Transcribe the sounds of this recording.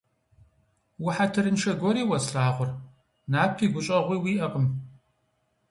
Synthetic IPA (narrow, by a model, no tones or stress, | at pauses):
wʊħatʰɨɾɨnʂɐɡʷɔɾiːwɐsɬaːʁʷʊr | naːp̚ʰiːɡʷʊɕʼɐʁʷiːwiːʔɐqəm